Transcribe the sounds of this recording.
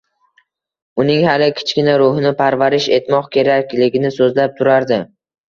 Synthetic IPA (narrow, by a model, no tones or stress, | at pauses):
ʊnɪŋhalɪkʲʰɪ̥t͡ʃkʲɪnaɾʊɦɪnɪpʰaɾvaɾɪʃe̞t̪mɒqkʲʰe̞ɾakʲlɪɡʲɪnɪsɵzlap̚t̪ʰʊɾaɾd̪ɪ